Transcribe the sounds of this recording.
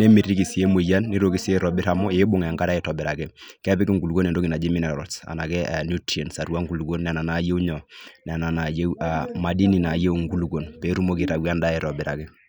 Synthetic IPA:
ne˦mi˨ɾi˦ki˨si˦e˦mo˨ja˦nːi˦ɾo˦ki˦se˦ɾɔ˨bɪ˦ɾa˨mɔ˦e˦bʊ˨˦ŋɛ˨ŋɡa˦ɾa˦ɛ˨˦tɔ˨bɛ˨ɾa˨kɛ˦kɛ˦pɪ˦ki˦ŋɡu˨lu˨ko˦nɛ˨ndo˦ki˨na˨d͡ʒi˦mi˦na˨ɾɔ˨sa̰˨na˨kɛ˦a˨nu˦tɛ˨nsa˨ɾuwa˦ŋɡu˨lu˨ɡo˦nːɛ˨na˨na˨˦je˦u˦ɲɔ˨n˨a˨na˨na˨je˦wa˨ma˨di˦ni˨na˨je˦u˨ŋɡu˦lu˨ɡo˨npɛ˨˦ɾu˦mo˦ki˨ɾa˨ɡwa˦nda˦ɛ˨ɾɔ˨bɪ˨ɾa˨kɛ˦

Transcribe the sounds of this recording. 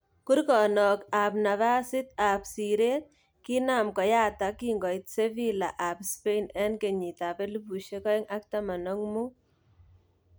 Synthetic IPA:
ku˦ɾkɔ˨nɔ˨ka˨p̬na˨βa˦sɪ˦t̪̚a˨psi˨ɾe˦t̚ | ki˦na˨mkɔ˨jaː˦ta˨ki˦ŋɡɔ˨jt̚se˦vi˦la˨ʔa˨pspe˦nɛ˦nke˨ɲi˨ta˨pe˦lu˦pu˨ʃe˦kɔ˦ɪŋa˦k̚ta˦ma˨nɔ˦ŋmu˦

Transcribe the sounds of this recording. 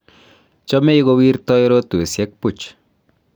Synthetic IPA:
t͡ʃɔ˦me˦iɣo˦wi˦rtɔ˦jɾo˦tu˨e˨sjɛ˦k̚pu˦t͡ʃ

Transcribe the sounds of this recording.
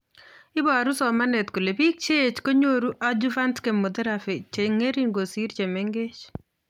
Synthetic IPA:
ɪ˦ba˨ɾu˦sɔ˨ma˦ne˨t̪ko˨le˨bi˦k̚t͡ʃe˦t͡ʃko˦ɲo˦ɾu˦ʔa˦d͡ʒu˦fa˦ntke˨mːo˨d̪ɛ˦ɾa˨fe˨t͡ʃe˨ŋe˦ɾi˦nɡo˨si˦ɾt͡ʃe˨me˦ŋɡe˦t͡ʃ

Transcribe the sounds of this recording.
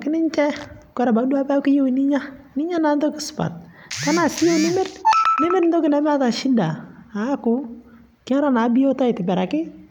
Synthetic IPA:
kɪ˦nɪ˦ɲt͡ʃɛ˦kɛ˨ɾɛ˨ba˨˦dwa˦pa˦ki˦jo˦wnɪ˦ɲa˦ | nɪ˦ɲa˦na˨˦n˦do˦kɪ˨˦sʊ̥˨pa̰˨t̚ | ka˦na˨sɪ˦jo˦˨nɪ˦mɪ˦tnɪ˦mɪ˦ɾn̩˦dɔ˦kɪ˨na˦m˦a˦ta˨ʃi˦daː˨˦kʊ˨ | ka˦ɾa˦na˨˦bɪ˦jo˦ta˦ɪ˨tɪ˨bɛ˨ɾa˨kɪ˦

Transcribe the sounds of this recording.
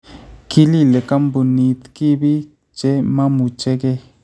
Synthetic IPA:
ki˦li˦˨le˨ka˦mbu˨ni˧t̪ki˦bi˦ | t͡ʃe˦mã˦mu˨t͡ʃe˦ke˦

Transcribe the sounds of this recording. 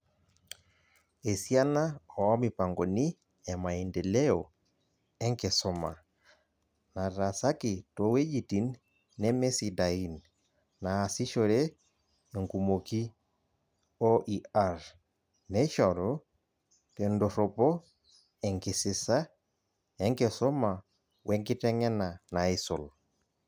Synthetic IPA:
e˨sia˦na˦ɔ˨ɔ˦mi˨pa˨ŋɡo˨ni˦ | ɛ˨ma˨i˨nde˨le˦o | ɛ˦ŋkɪ˨sɔ˨ma̰˨ | na˨ɾa˨sa˦ki˨to˨we˦d͡ʒi˨ti˨nː | ɛ˦mɛ˦si˨da˨i˦n | naː˨si˦ʃo˦ɾe˦ | e˨ŋku˨mo˨ki˦ | o˦ʔia˨ɾ | nɛ˦ʃɔ˨ɾɔ | tɛ˨ndɔ˨ɾɔ˨pɔ˦ | ɛ˨ŋki˨sɪ˨sa˦ | ɛ˦ŋkɛ˨sɔ˦ma˨ | wʔɛ˦ŋki˦tɛ˦ŋɛ˦na˨na˨i˦sɔ˨l

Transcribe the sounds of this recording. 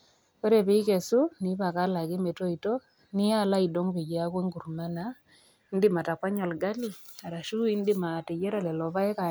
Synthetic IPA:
ko˦ɾe˨pɪ˦kɛ˨su˦ni˨˦ba˨ka˦la˨ɡɪ˦me˨to˦i˨to˦ | nɪ˦a˦la˦i˨do˦ŋpe˨ɟi˨˦a˦kwe˦ŋɡu˨ɾma˦na | n˦dɪ˦ma˨ta˨kwa˦ɲɔ˨lɡa˦li˨a˨ɾa˨ʃu˦i˦n˦dɪ˦ma˨te˨d͡ʒe˦ɾa˨lɛ˨lɔ˨ba˦ɛ˦ka˨

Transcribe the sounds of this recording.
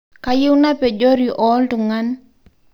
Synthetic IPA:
ka˨jɪ˦wna˦pɛ˨d͡ʒo˦ɾi˨ʔɔ˦ltʊ˨ŋa˦n

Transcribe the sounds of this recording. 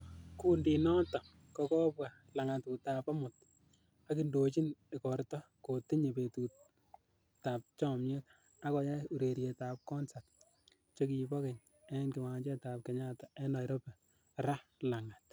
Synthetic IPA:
kuː˨ndi˨nɔ˦tɔ˨ | kɔ˨kɔː˦pwa˨ | la˨ŋa˨tu˨ta˨pa˦mʊ˨t̚ | a˦ki˨ndo˨t͡ʃi˦ne˨kɔ˨ɾtɔ˦ | ko˨tɪ˦ɲe˨pe˨tuː˨t | ta˨p̚t͡ʃɔ˦mɲe˦k̚ | a˦kɔ˨ja˦u˨ɾe˨ɾje˨ta˨p̚kɔ˦nsat | t͡ʃo˦ki˨pɔ˦kɛ˨ɲ | e˦nkɪ˨wa˨t͡ʃe˦ta˨p̚kɛ˨ɲa˦ta˨ɛ˦na˨jɾɔ˦pɛ˨ | ɾa˦la˨ŋa˨t̚

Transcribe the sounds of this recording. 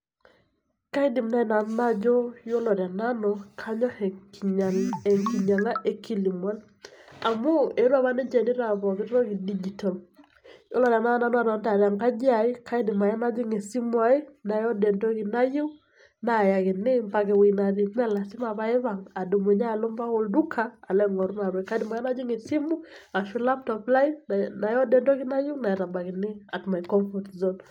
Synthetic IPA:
ka˦ɪ˦dɪ˨mna˦ɪ˦na˨n˦na˦d͡ʒɔ˦jo˦lɔ˨ɾa˨na˦nɔ˨kʰa˦ɲɔ˦ɛ˨ka˨ɛ˨ŋki˨ɲa˨ŋa˦ʔe˦ki˦li˨mwa˦l | a˨mʊ˦e˨ɾwa˦βa˦nɛ˦d͡ʒɛ˨nɪ˦ɾa˨βɔ˨bɪ˦ɾɾɔ˦ki˨di˦d͡ʒi˨tɔ˨l | jo˦lɔ˦ɾa˨na˦na˦nɔ˦a˦ɾɔ˨˦nda˨da˨ŋka˦d͡ʒi˦a˨ɪ˦kʰa˦ɪ˦dɪ˨ma˨ja˦na˦d͡ʒɪ˦ŋe˨si˦mwa˨˦ɪ˦na˨jɔ˦dɛ˨ndɔ˦ɣi˨na˦ju˦ | na˨ja˨ɣɪ˨nɪ˦mba˨ɣe˨wi˨na˨ði˨mɛ˦la˨si˦ma˨βa˦e˦βa˨ŋa˨du˨me˨ɲa˦˨lo˦mba˦o˨ldu˦kʰaː˦˨lɛ˦ŋɔ˨ɾu˦na˨ɾwɛ˨ka˦di˨ma˨ja˦na˦d͡ʒi˦ŋe˨si˦mu˦a˨ʃu˦la˦p̚tɔpla˦i˦nna˨jɔ˦dɛ˨ndɔ˦ɣɪ˦na˦ju˦na˨ɛ˨ɾa˨ba˨ɣɪ˨nɪ˦a˨tma˨i˨kɔ˦mfɔ˨tzɔ˦n

